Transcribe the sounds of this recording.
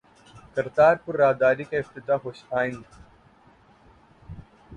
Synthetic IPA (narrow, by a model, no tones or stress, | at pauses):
kɐɾt̪aːɾpʊɾːaːɦd̪aːɾiːkaɪft̪ɪt̪aːɦoːʃaːɪ̃ŋɡ